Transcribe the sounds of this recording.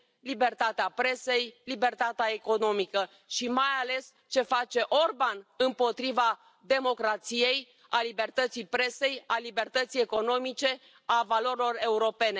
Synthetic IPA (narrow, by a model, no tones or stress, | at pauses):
libe̞rt̪at̪eapɾe̞se̞jlibe̞rt̪at̪eaeko̞no̞mikə | ʃimajale̞s | t͡ʃe̞fat͡ʃe̞ʔo̞rbanɨmpo̞t̪ɾiva | d̪e̞mo̞kɾat̪sije̞j | alibe̞rt̪ət̪sijpɾe̞se̞jalibe̞rt̪ət̪sijeko̞no̞mit͡ʃe̞ | avalo̞ɾilo̞re̞uɾo̞pe̞ne